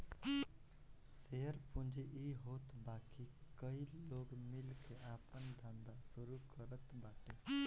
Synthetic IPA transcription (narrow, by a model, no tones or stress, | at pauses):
seːəɾpʊ̃nd͡ʒeʔiːɦoːt̪baːkikəiloːɡmɪlkeʔaːpənd̪ʱə̃nd̪asʊɾukəɾət̪baːʈeː